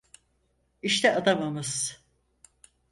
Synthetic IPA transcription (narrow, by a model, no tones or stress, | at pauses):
iʃt̪ʰɛad̪amamɯz̥